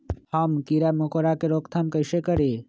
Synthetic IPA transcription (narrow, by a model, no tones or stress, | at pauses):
hamkiɾamokoɾakeɾoːkt̪ʰamkəjsekəɾe